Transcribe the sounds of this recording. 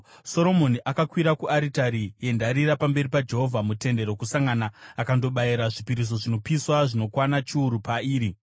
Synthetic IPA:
so̞ɾo̞moniʔakakwiɾakuʔaɾitaɾije̞ndaɾiɾapambe̞ripad͡ʒe̞ɦo̞vʱamute̞nde̞ɾo̞kusaŋɡanaːkando̞ɓaiɾaʐipiɾis̬o̞ʐino̞piswaʐino̞kwanat͡ʃiuɾupaiːɾi

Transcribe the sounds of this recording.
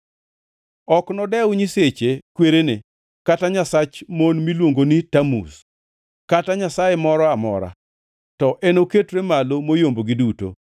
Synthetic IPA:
ɔknɔdɛʊɲiset͡ʃekweɾene | kataɲasat͡ʃmonmilwoŋɡonitamṵs | kataɲasajemɔɾɔamɔ̰ɾa̰ | tɔʔenoketɾemalomojomboɡiduto̰

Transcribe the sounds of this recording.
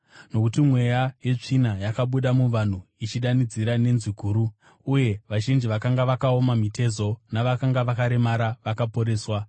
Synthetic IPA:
no̞kutimwe̞jaje̞t͡ʂinajakaɓuɗamuʋan̤uit͡ʃiɗanid͡ziɾane̞nziɡʱuːɾuː | je̞ʋaʒind͡ʒiʋakaŋɡaʋakao̞mamite̞zo̞naʋakaŋɡaʋakaɾe̞maɾaʋakapo̞ɾe̞ːswa

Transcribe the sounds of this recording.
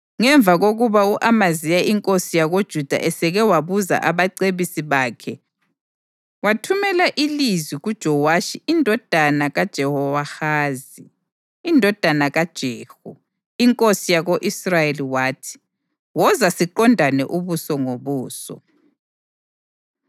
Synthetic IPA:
ŋɛɱvʱaɣoɣuβauʔamazijaʔiŋkʼosijaɣod̥ʒ̥ʱud̥ʱa̰ʔɛsɛɣɛwaβuza̰ʔaβaǀeβisiβaːkʰɛ | watʰumɛlaʔilizwiɣud̥ʒ̥ʱɔwaʃiindʱɔd̥ʱanaɣad̥ʒ̥ʱɛhɔwaxaːziː | ndʱɔd̥ʱanaɣad̥ʒ̥ʱeːhu | iŋkʼosijaɣoʔisrajeliwaːtʰi̥ | wɔzasiǃɔndʱanɛ̰ʔuβusɔŋoβuːsɔ̰

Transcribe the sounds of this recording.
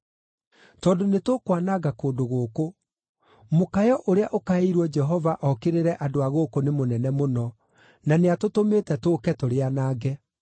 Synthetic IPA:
tɔːdonetokwanaɣakoːdoɣoːko | mokajɔʔoɾeaʔokaeɾwɔd͡ʒɛɦɔvaʔɔkeɾeɾɛʔadoaɣokonemonɛnɛmonɔ | naneatotometɛtoːkɛtoɾeanaːɡɛ

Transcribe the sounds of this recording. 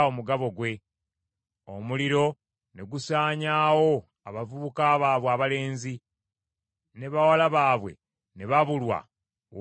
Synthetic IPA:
omuɡaβo̞ɡwe̞ | o̰muliɾo̞ | ne̞ɡusaːɲaːwo̞ | a̰βavuβukaːβaːβwaβale̞ːnzi | ne̞βawalaβaːβwe̞̰ | ne̞βaβulwa̰

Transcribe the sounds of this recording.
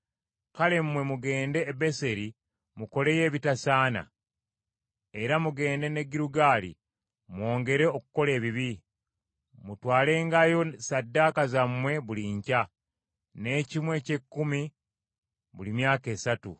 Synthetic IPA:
kale̞mːwe̞muɡe̞ːnde̞ːbese̞ɾi | muko̞le̞je̞ːβitasaːna̰ | e̞ɾamuɡe̞ːnde̞ne̞ɡiɾuɡaːlḭ | mwo̞ːŋɡe̞ɾe̞o̞kuko̞le̞ːβiβi | mutwaːle̞ːŋɡajo̞sadːakazamwe̞βuliɲca | ne̞cimwe̞ce̞kːumi | βulimjaːke̞ːsatṵ

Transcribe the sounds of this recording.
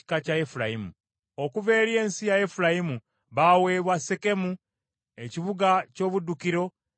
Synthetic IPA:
i̥kacaefuɾajimu | okuve̞ːɾje̞ːnsijajefuɾajimu | βawe̞ːβwaseke̞mu | e̞ciβuɡaco̞ːβudːukiɾo̞

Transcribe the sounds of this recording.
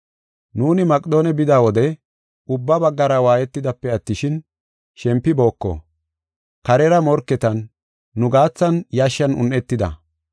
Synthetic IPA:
nuːnɪmɐkʼɪd̪oːnɛbɪd̪aːwɔd̪ɛ | ʊbːɐbɐɡːɐɾɐwaːjɛt̪ːɪd̪ɐpːɛɐt̪ːɪʃɪn | ʃɛmpːɪbo̞ːkːɔ̰ | kɐɾɛɾɐmɔɾkːɛt̪ɐnː | ʊɡaːt͡sːɐnjaʃːɐnʊ̰nʔɛt̪ːɪd̪ɐ̰

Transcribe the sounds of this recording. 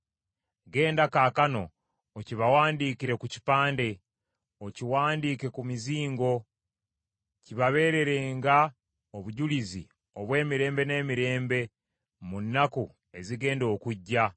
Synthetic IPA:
ɡe̞ːndakaːkano̞ː | ciβawaːndiːkiɾe̞kuci̥paːnde̞ | ociwaːndiːke̞kumiziːŋɡo̞ | ciβaβe̞ːɾe̞ɾe̞ːŋɡa | oβuɟulizḭ | o̞βwe̞ːmiɾe̞ːmbe̞ne̞ːmiɾe̞ːmbe̞ | munːaku | e̞ziɡe̞ːndo̞ːkuɟːa

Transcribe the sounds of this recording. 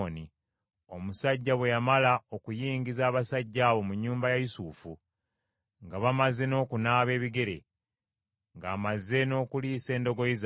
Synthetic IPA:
ni | omusaɟːaβwe̞jamalao̞kujiːŋɡizaːβasaɟːaːβo̞muɲːuːmbajajisuːfu | ŋɡaβamaze̞no̞ːkunaːβe̞ːβiɡe̞ɾe̞̰ | ŋɡaːmazːe̞no̞ːkuliːse̞ːndo̞ɡo̞iz

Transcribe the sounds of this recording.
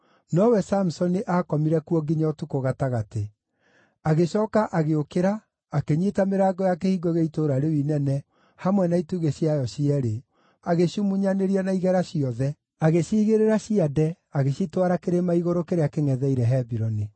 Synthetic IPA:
nɔwɛsamusɔniʔakɔmiɾɛkuɔɡiɲatukoɣataɣate | aɣeɕɔːkaʔaɣeokeɾaː | keɲitameɾaːɡɔjakehiɡɔɣeitoɾaɾewinɛnɛ | hamwɛnaituɣeɕjiajɔʃiɛɾe | aɣeɕumuɲaneɾianaiɣɛɾaɕiɔðɛ | aɣeɕiːɣeɾeɾaɕiadɛ | aɣeɕitwaɾakeɾemaiɣoɾokeɾeakeŋɛðɛiɾɛɦɛbiɾɔni

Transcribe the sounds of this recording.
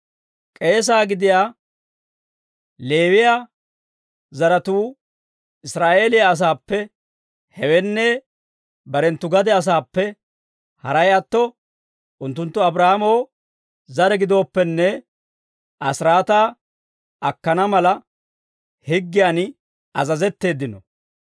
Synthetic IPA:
kʼe̞ːs̬aːɡɪd̪ɪjaː | le̞ːwɪja | zɐɾɐt̪uː | ɪsɾaːʔe̞ːlɪjaːs̬aːpːɛ | hɛwɛnːɛ | bɐɾɛnt̪ːʊɡɐd̪ɛɐs̬aːpːɛ | hɐɾɐjɐt̪ːɔ | ʔʊnt̪ːʊnt̪ːʊɐbɾahamow | zɐɾɛɡɪd̪o̞ːpːɛnːɛ | ʔɐsɾaːt̪aː | ɐkːɐnɐmɐlɐ | hɪɡːɪjaːn | ɐzɐzɛt̪ːe̞ːd̪ɪnɔ

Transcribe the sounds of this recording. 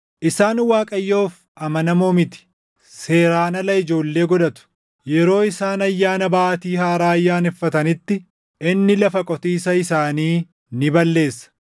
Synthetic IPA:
ʔɪsaːnwaːkʼɐjːo̞ːf | ʔɐmɐnɐmoːmɪt̪ɪ̥ | se̞ːɾaːnɐlɐɪd͡ʒo̞ːlːe̞ːɡɔᶑɐt̪ʊ̥ | jɛɾo̞ːɪsaːnɐjːaːnɐbaːʔt̪iːhaːɾaːɐjːaːnɛfːɐt̪ɐnɪt̪ːɪ | ʔɪnːɪlɐfɐkʼɔt̪iːsɐɪsaːniː | nɪbɐlːe̞ːsːɐ̥

